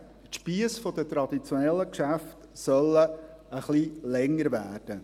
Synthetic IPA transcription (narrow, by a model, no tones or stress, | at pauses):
tʃpiəsfɔd̥̪ətɾɑd̥̪it͡sjɔnɛlːəkʃæft | sœlːə | əχlilɛŋəɾvæːrd̥ə